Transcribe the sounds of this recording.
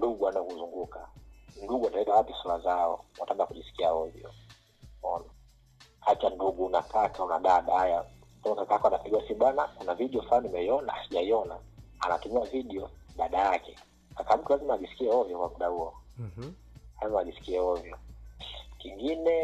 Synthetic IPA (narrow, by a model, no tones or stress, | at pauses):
nduɡuanaɔkuzuŋɡukanduɡuanaɛkawapisulazaɔ̰wataŋɡakuʄisi̥kiaɔvjɔ̰ | ɔna | hat͡ʃanduɡunakakauna̰ɗaɗahaja | kamakakaakɔanapɛɡuasiɓwanakunaviɗiɔfanimɛiɔnaasiʄaiɔnaa̰na̰tumiaviɗiɔɗaɗajakɛ | kakam̩tulazimaːʄisi̥kiɛɔvjɔkwamuɗahuɔ | lazimaʄisi̥kiɛhɔvjɔ | kiŋɡinɛ